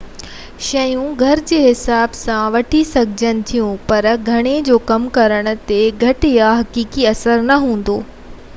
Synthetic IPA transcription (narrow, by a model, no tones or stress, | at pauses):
ʃɐjũɡʱɐɾd͡ʑeːɦɪsaːbsãʋɐʈʰisɐɡʱɪd͡ʑənɪ̆t̪ʰijũpɐɾɡʱɐɽ̃ed͡ʑoːkɐmkɐɾəɽ̃ʊ̆t̪eɡʱɐʈɪjaɦɐkiːkiɐsəɾnɐɦũːn̆d̪oː